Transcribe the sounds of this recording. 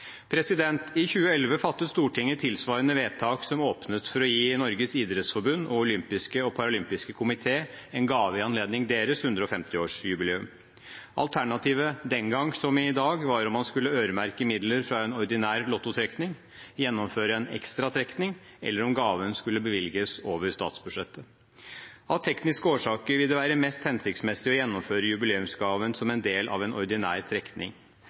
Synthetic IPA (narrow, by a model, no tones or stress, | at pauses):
pʰɾɛsɪd̪ɛnt̪ʰɪçʉːəɛlʋəfɑt̪ːəst̪uːʈʰɪŋːət̪ʰɪlsʋɑːɾənəʋeːt̪ʰɑːksɔmoːpnət̪fɔɾɔjiːnɔɾɡəsiːd̪ɾɛt̪sfɔɾbʉnːɔʊlʏmpɪskəɔpʰɑɾɑʊlʏmpɪskəkʰʊmɪt̪ʰeːɛnɡɑːʋəɪɑnleːd̪nɪŋd̪eːɾəshʉnd̪ɾəɔfɛmt̪ɪoːʂjʉbɪleːʉm | ʔɑ̰lt̪ʰæɳɑt̪iːʋəd̪ɛŋɡɑŋːsɔmɪd̪ɑːɡʋɑɾɔmhɑnskʉlːəøːɾəmæɾkəmɪd̪ləɾfɾɑɛnɔɾd̪ɪnæːɾlɔt̪ːʊt̪ʰɾɛknɪŋ | jɛnːɔmføːɾəɛnɛ̰kst̪ɾɑt̪ʰɾɛknɪŋ | ɛ̰lːəɾɔmɡɑːʋənskʉlːəbəʋɪlɡəsoːʋəɾst̪ɑ̰ːt̪sbʉd̪ʂɛt̪ʰːə | ɑʋt̪ʰɛknɪskəoːʂɑːkəɾʋɪld̪əʋæːɾəmɛst̪hɛnsɪkt̪smɛsɪɔjɛnːɔmføːɾəjʉbɪleːʉmsɡɑːʋənsɔmɛnd̪eːlʔɑ̰ʋɛnɔɾd̪ɪnæːɾt̪ʰɾɛknʔɪ̰ŋ